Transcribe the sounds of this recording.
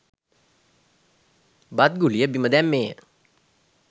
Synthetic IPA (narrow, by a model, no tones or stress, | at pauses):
bat̪̚ɡuliəbiməd̪æmːeː